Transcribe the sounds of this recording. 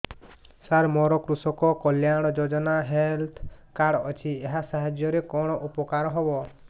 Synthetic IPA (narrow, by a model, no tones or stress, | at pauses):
saɾmɔɾɔkɾusɔkɔkɔljaɽ̃ɔd͡ʒod͡ʒɔnaɦelt̪ʰkaɽɔt͡ʃʰieɦasaɦad͡ʒjɔɾekɔɽ̃ɔʔupɔkaɾɔɦɔbɔ